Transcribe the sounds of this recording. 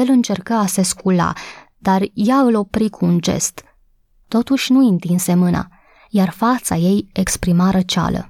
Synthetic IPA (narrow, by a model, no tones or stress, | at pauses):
elɨnt͡ʃe̞rkəaseskula̰ | d̪̥arjaɨlo̞pɾikʰuːnd͡ʒe̞̰st̪ː | o̞t̪uʃʲnuint̪inse̞mɨna̰ | jarfat̪saje̞jekspɾimaɾət͡ʃa̰lə̰